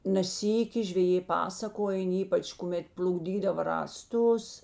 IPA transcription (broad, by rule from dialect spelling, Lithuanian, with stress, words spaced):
nʲɛ ˈsʲiːkʲɪ ʒʲʋʲɛˈjeː ˈpɑːsɐkoːjɛn ˈiːpɐt͡ʃ kʊˈmʲɛt pʲlʲʊɡˈdʲiːdɐʋɐ rɑːˈstʊs